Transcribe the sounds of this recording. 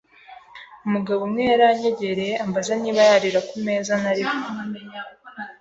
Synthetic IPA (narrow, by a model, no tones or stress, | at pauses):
umuɡaβomŋeːɾaɲe̞ɟe̞ɾe̞ambazaniːβajaɾiɾakume̞ːzanaɾiho